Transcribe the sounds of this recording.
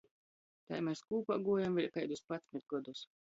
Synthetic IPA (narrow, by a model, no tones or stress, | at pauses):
t̪a̰jmɛskuːpa̰ɡuɔjamvʲilʲkɛjd̪uspat̪sʲmʲɪt̪̚ɡɔd̪us